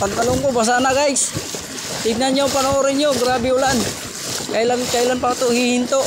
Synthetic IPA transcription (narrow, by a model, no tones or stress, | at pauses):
pant̪alʊŋkobas̬anaɡajs | t̪ɪɡ̚nanɲjapanoːɾɪɲoɡɾabɪulan | kailankailanpaat̪ohihint̪o